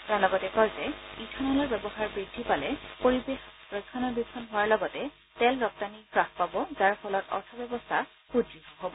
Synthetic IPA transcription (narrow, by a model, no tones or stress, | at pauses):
taɹlɔɡɔtɛkɔɹzɛitʰɔnɔlɔɹbɛbɔxaɹbɹidʱːipalɛpoɹibexɹɔkʰːɔnɔɹbikʰːɔnɦʊwaɹlɔɡɔtɛ | tɛlɹɔk̚tanipɹaxpabɔzaɹfʰɔlɔtɔ̰ɹtʰɔbɛbɔstʰa | xudɹiɦɔɦobɔ